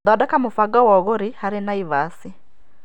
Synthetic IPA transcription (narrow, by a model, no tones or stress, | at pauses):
dɔdɛkamofaɡawɔɣoɾihaɾenaiβasi